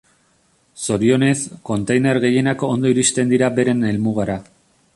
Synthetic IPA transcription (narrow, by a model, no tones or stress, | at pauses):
so̞ɾio̞ne̞sko̞nt̪ejne̞ɾɣe̞je̞nakond̪o̞iɾist̪e̞nd̪iɾabe̞ɾe̞ne̞lmuɣ̞aɾa